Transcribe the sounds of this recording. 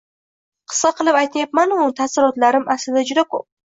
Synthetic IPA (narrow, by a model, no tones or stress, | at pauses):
qʰɨ̥sqɑqʰɨlˠɪpajt̪ajap̚manʊt̪ʰasɪɾɒt̪laɾɪmʔaslɪd̪ad͡ʒʊd̪akʰop̚